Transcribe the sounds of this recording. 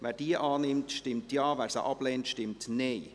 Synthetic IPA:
ʋæːɾd̥iəʔɑːnɪmtʃtɪmtjɑːvæːɾsə̰ʔɑb̥lɛːntʃtɪmtne

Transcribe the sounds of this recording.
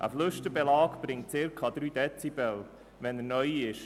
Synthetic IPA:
ʔə̰flɵʃtəbɛlɑːkb̥ɾɪŋt̚t͡sɪɾkʰɑd̪ɾyːd̥ɛt͡sibɛl | vɛnənœjɪʃ

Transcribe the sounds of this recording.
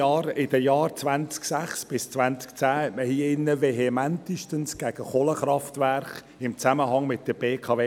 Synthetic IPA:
ɑːɾɪd̥əjɑːɾt͡svænt͡sksæχsb̥ɪst͡svænt͡skt͡sæːhɛtməhiːɪnːəveɦemæntiʃtənsɡ̥æɡ̥əχoləχɾɑftvæɾχ | ɪmt͡sæməɦɑŋmɪt̚d̥əb̥eːkʰɑːveː

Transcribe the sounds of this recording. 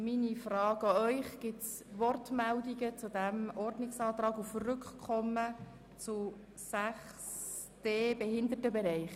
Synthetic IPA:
minifrɑːɡ̥ɑœʏχɡ̥ɪtsʋɔrtmældiɡət͡sudæmɔrdnɪksɑːt̪ɾɑːɡufrʏkχkʰːɔmːə | t͡su | sæχ | s | d̥eːbɛɦɪnd̪ətəbɛɾɛɪχ

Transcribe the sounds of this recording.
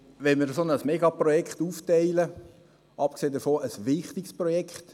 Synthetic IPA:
ʋɛnmɪɾəsonəsmɛɡɑprɔjɛkχtuːftɛɪlə | ʔɑp̚kseːdəfoːʔəsʋɪχt̪ɪksprɔjɛkχt̪

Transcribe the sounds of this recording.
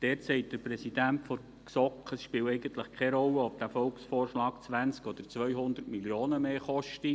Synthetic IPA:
d̥ɛːtsɛɪt̚d̥əɾpɾɛsid̥æntfo | ksɔkχəsʃpɪːwɛɪɡənt̪ləχkʰɛɾɔlːəɔfd̥æfɔlksfoːrʃlɑːkt͡sʋænt͡skɔd̥̪əɾt͡sʋœʏɦʊnd̪ətmiljoːnəmeːχɔʃti

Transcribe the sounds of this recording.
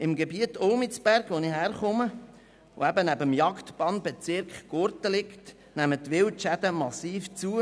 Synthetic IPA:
ɪmɡebiətolmɪt͡sb̥æɾɡ̥ʋonihæɾχʊmə | o̰æbənæbəmjɑktbɑːnbet͡sɪɾkχɡ̥ʊɾtəlɪkt | næmət̪ʋɪwtʃæd̥̪əmɑsiːft͡suə

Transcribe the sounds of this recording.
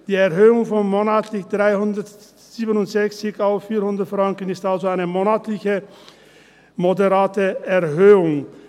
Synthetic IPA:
d̥iːɛɐɦøːʊŋfɔnmoːnaːtʰlɪçd̥ʁaɪhʊndɐt | z̥iːbənʊntz̥ɛçt͡sɪçaʊffiːɐhʊndɐtfʁ̥aŋkənɪstalzoaɪnəmoːnaːtʰlɪçə | modɛʁaːtəɛɐɦøːʊŋ

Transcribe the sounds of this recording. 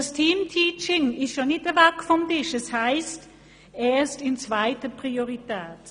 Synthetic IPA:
astʰiːmtʰiːt͡ʃɪŋɪstʃonːɪtəɐvɛkfɔmtɪʃɛshaɪst | eːɐstɪnt͡svaɪtəpʁ̥ioʁitʰɛːt

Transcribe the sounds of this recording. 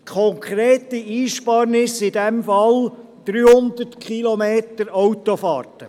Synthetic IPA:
kʰɔŋkʰχɾeːtiiːʃpɑɾnɪsɪdɛmfɑl | d̪̥ɾyːhʊnd̪ərtkχilɔmeːt̪əɾɔwt̪ofɑ̰ːrtə

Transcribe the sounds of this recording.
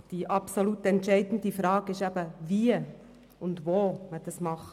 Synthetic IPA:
d̥iʔɑpsolutɛntʃɛɪdn̩difɾɑːɡɪʃɛb̥əviːə | ʊndvoːməd̥ɑsmɑχ

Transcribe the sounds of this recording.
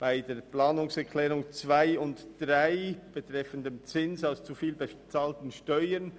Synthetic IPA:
b̥aɪdeːɐplaːnʊŋsɛʁkʰlɛːʁʊŋt͡sv̥aɪʊntd̥ʁaɪb̥etʁ̥ɛfəndəmt͡sɪnsaʊst͡sufiːlbet͡saːltn̩ʃtɔʏən

